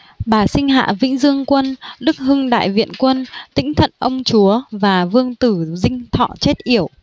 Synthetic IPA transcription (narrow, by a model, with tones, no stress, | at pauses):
ɓaː˨˩sï˧ŋ̟ɦa̰ː˧˨vḭ̈˧˥ŋ̟zɨ˧əŋkwə˧nɗɨ˦˥k̚hɨ˧ŋɗa̰ː˧˨jvḭ˧˨ənkwə˧nt̪ï˧˥ŋ̟t̪ʰə̰˧˨nʔə˧wŋ͡mt͡ɕu˨˦əvaː˨˩vɨ˧əŋt̪ɨ˧˩zï˧ŋ̟t̪ʰɔ̰˧˨t͡ɕe˦˥t̚ʔi˧˩əw